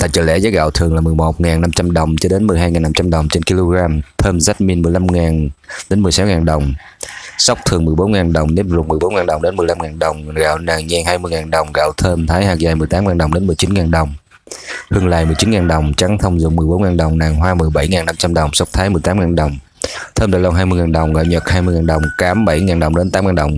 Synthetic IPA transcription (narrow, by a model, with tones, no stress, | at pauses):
t̪a̰ː˧˨j̚t͡ɕəː˧˩lɛ̰˧˥˦zaː˨˦˥ɣa̰ː˧˨wt̪ʰɨ˨˩əŋlaː˨˩mɨ˨˩jmo˨˩t̚ŋaː˨˩nːa˧mt͡ɕa˧mɗə˨˩wŋ͡mt͡ɕɔ˧ɗe˨˦nmɨ˨˩əjɦaː˧jŋaː˨˩na˧m˥t͡ɕa˧mɗə˨˩wŋ͡mt͡ɕe˧nki˧lo˧ɣaː˧mt̪ʰəː˧mza˦˥t̚mi˧ənmɨ˨˩əjla˧mŋaː˨˩nɗe˨˦nmɨ˨˩əsɔ˨˦wŋaː˨˩nɗə˨˩wŋ͡m | sa˦˥wk͡p̚t̪ʰɨ˨˩əŋmɨ˨˩əjɓo˨˦nŋaː˨˩nɗə˨˩wŋ͡mɗe˨˦nzṵ˨˧˩k̚mɨ˨˩əjɓo˨˦nŋaː˨˩nɗə˨˩wŋ͡mɗe˨˦nmɨ˨˩əjla˧mŋaː˨˩nɗə˨˩wŋ͡mɣa̰ː˧˨wnaː˨˩ŋɲɛ˧˩ŋhaː˧jmɨ˧jŋaː˨˩nɗə˨˩wŋ͡mɣa̰ː˧˨wt̪ʰəː˧mt̪ʰaː˨˦jhaː˨˩k̚zaː˨˩jmɨ˨˩əjt̪aː˨˦mŋaː˨˩nɗə˨˩ŋ͡mɗe˨˦nmɨ˨˩əjt͡ɕi˨˦nŋaː˨˩nɗə˨˩wŋ͡m | hɨ˧əŋla̰ː˧˨jmɨ˨˩jt͡ɕi˨˦nŋaː˨˩nɗə˨˩wŋ͡mt͡ɕa˨˦ŋt̪ʰə˧wŋ͡mzʊ̰˧˨ŋ͡mmɨ˨˩əjɓo˨˦nŋaː˨˩nɗə˨˩wŋ͡mnaː˨˩ŋɦwaː˧mɨ˨˩əjɓa˧˩jŋaː˨˩na˧mt͡ɕa˧mɗə˨˩wŋ͡msa˦˥wk͡p̚t̪ʰaː˨˦jmɨ˨˩əjt̪aː˨˦mŋaː˨˩nɗə˨˩wŋ͡m | t̪ʰəː˧mɗa̰ː˧˩lɔ˧˩nɦaː˧jmɨ˧jŋaː˨˩nɗə˨˩wŋ͡mɣa̰˧˨wɲə˨˩t̚haː˧jmɨ˧jŋaː˨˩nɗə˨˩wŋ͡mkaː˨˦mɓa˧˩jŋaː˨˩nɗə˨˩wŋ͡mɗe˨˦nt̪aː˨˦mŋaː˨˩nɗə˨˩wŋ͡m